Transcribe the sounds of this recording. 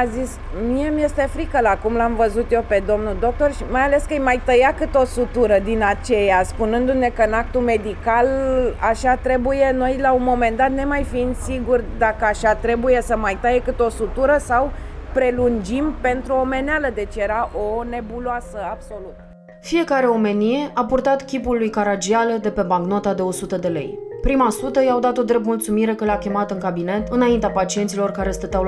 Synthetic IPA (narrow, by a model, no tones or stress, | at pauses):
azis | miemje̞st̪e̞fɾikəlakumlamvəzut̪je̞pe̞d̪o̞mnud̪o̞k̚t̪o̞rʃimajale̞skɨjmajt̪əjakɨt̪o̞sut̪uɾəd̪inat͡ʃejaspunɨnd̪une̞kəɨnak̚t̪ume̞d̪ikalaʃat̪ɾe̞buje̞no̞jlaunmo̞me̞nd̪at̪ne̞majfiinsiɡurʲd̪akəaʃat̪ɾe̞buje̞səmajt̪əjekɨt̪o̞sut̪uɾəsawpɾe̞lund͡ʒimpe̞nt̪ɾuome̞nealəd̪e̞t͡ʃje̞ɾaʔo̞ne̞buloasəabso̞lut̪ə | fije̞kaɾe̞o̞me̞nie̞ʔapurt̪at̪kʲipulːujkaɾad͡ʒialəd̪e̞pe̞baɡnot̪ad̪e̞o̞sut̪əd̪e̞le̞̰jpɾimasut̪əjawd̪at̪o̞d̪ɾe̞p̪̚mult̪sumiɾe̞kəleakʲe̞mat̪ɨŋkabine̞t̪ɨnaint̪eapat͡ʃie̞nt̪silo̞rkaɾe̞st̪ət̪aw